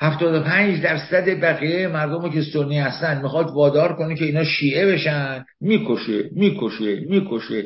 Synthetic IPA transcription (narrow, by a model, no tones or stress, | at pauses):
hæft̪ɒːd̪opʰænd͡ʒd̪æɾsæd̪e̞bæɣiːjejemæɾd̪omekest̪onːiːhæst̪ænd̪mixɒːt̪vɒːd̪ɒːɾkonecʰe̞iːnɒːʃiːʔebe̞ʃænd̪miːkʰoʃemiːkʰoʃemiːkʰoʃe